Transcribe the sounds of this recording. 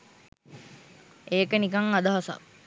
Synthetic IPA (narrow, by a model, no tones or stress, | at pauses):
eːkənikaŋad̪aɦasa̰k